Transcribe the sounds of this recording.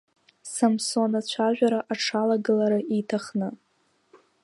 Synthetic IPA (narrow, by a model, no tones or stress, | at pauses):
samsonat͡ɕʷʰaʒᶣʷaɾaʔaʈ͡ʂʰalaɡɨlaɾaʔitʰaχnɨ